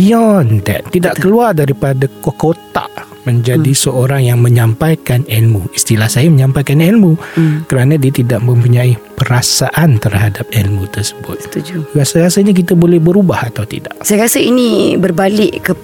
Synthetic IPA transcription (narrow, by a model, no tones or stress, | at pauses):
biɔndɛ̰t̪ːidaʔkəluardaɾipadakokot̪a̰ʔ | mə̃ɲd͡ʒadisəʔoɾaŋjaŋmə̃ɲãmpajkanɛlmũist̪ilahsajaməɲãmpajkanɛlmũkəɾanãdiat̪idaʔmə̃mpuɲãipəɾasaʔant̪ərhadap̚ɛlmũt̪ərsə̥bʊ̰t̪̚asajkasəɲak̬it̪abolɛhbəɾubahat̪awt̪ḭda̰ʔsajakasəinĩbərbalɪʔkə